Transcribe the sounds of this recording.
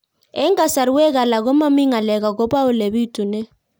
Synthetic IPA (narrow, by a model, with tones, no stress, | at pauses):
ɛ˦ŋ˦a˨sa˨ɾi˦wɛ˦k̬a˨la˨k̬ɔ˦ma˦mi˦ŋa˨lɛ˨k̬a˨k̬ɔ˦pa˦ʊ˦le˨βi˦tʼu˨nɛ˦